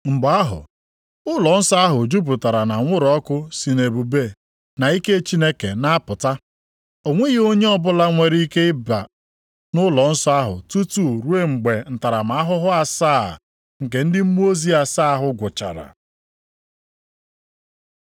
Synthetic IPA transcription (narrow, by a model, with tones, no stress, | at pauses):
ŋ͡m̩˨ɡ͡ba˦a˦ɦʊ̰˨ | ʊ˦lɔ˨n̩˦sɔ˦a˦ɦʊ˨d͡ʒu˦p̬u˨ta˨ɾa˨na˨ŋʷʊ˦ɾɔ˦kʊ˦si˨ne˨bu˨be˦˨ | na˨i˦ke˦t͡ʃi˦ne˦ke˨na˦a˦pʊ˨ta˦ | o˨ŋʷe˦ɣi˦o˦ɲe˦ɔ˦bʊ˦la˦ŋʷe˨ɾi˦ke˦ɪ˦ba̰˨ | nʊ˦lɔ˨n̩˦sɔ˦a˦ɦʊ̰˨tu˦tu˦˨ɾu˦e˦ŋ͡m̩˨ɡ͡be˨n̩˨ta˨ɾa˨ma˨a˦ɦʊ˦ɦʊ˦a˨sa̰ː˦˨ | ŋ̩˨k̬e˨n̩˦dɪ˦m̩˦mu˦o˦zi˦a˨sa˦ɦʊ˦ɡʷʊ˨t͡ʃa̰˨ɾa̰˨